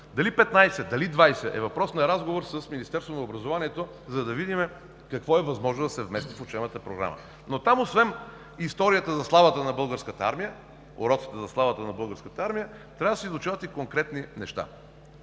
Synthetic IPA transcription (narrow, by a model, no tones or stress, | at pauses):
d̪ɐlipɛt̪najsɛd̪ɐlid̪vajsɛʔɛ̰vɐpɾɔsnɐɾazɡovoɾsəsminist̪ɛɾst̪vonɐobɾɐzovaniɛt̪o | zɐd̪ɐvid̪imɛ | kɐkvɔɛvɐzmɔʒnod̪ɐsɛvmɛst̪ifot͡ʃɛnət̪əpɾoɡɾa̰mə̰ | not̪amosvɛn | ist̪ɔɾijət̪əzɐslˠavət̪ənɐbɤlˠɡəɾskət̪əa̰ɾmijə | o̰ɾɔt̪si̥t̪ɛzɐslˠavət̪ənɐbɤlˠɡəɾskət̪əaɾmijə | t̪ɾʲavəd̪ɐsizlˠʊt͡ʃavət̪ikoŋkɾɛt̪ninɛʃt̪a̰